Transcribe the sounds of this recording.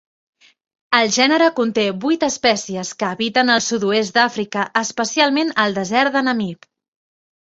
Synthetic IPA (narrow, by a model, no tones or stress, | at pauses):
əlˠʒɛnəɾəkunt̪eβujt̪əspɛsiəskəːβit̪ənəlˠsud̪ues̬t̪̚d̪afɾikəʔːspəsialˠmenəlˠd̪əzɛɾðənəmip